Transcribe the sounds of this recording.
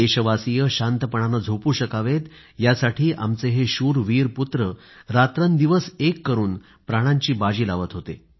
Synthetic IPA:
eɕəʋasijəɕant̪əpəɳ̃anad͡zʱopuːɕəkaʋet̪ | jasaʈʰiːʔa̰mt͡seɦeɕuːɾʋiːɾput̪ɾə | ɾat̪ɾənd̪iʋəsekːəɾuːn | pɾaɽ̃aɲt͡ɕiːbad͡ʑiːlaʋət̪ɦot̪ḛ

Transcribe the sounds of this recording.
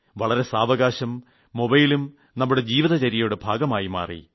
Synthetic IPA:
ʋɐɭɐɾe̞saːʋɐɡaːɕɐmː | o̞bɐjilum | nɐmːuɽe̞d͡ʑiːʋiðɐt͡ɕɐɾijɐjoɽebʱaːɡɐmaːjima̰ːrḭ

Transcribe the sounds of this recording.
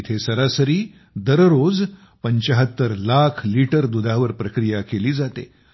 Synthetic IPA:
t̪ʰesəɾasəɾiː | d̪əɾɾod͡z | pəɲt͡ɕaɦət̪ːəɾlakʰliʈəɾd̪ud̪ʱaʋəɾpɾəkɾijakeliːd͡zat̪ḛ

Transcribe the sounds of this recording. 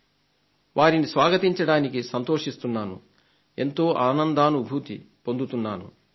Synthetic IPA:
ʋʔaːɾinisʋaːɡɐt̪iɲt͡ʃɐɽaːnikisɐnt̪o̞ːʂist̪unːaːnṵ | e̞nt̪o̞ːʔaːnɐnd̪aːnubʱuːt̪i | po̞nd̪ut̪unːaːnṵ

